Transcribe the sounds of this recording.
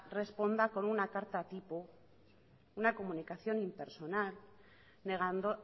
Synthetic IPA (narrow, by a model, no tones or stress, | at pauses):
re̞spo̞nd̪ako̞nunakaɾt̪at̪ipo | unako̞munikaθjo̞nimpeɾso̞nal | neɣand̪o